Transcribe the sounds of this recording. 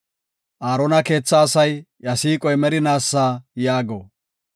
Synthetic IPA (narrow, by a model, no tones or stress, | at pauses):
ʔaːɾɔnɐke̞ːt͡sːɐːsɐj | ɐsiːkʼɔjmɛɾɪnaːsːaːjaːɡo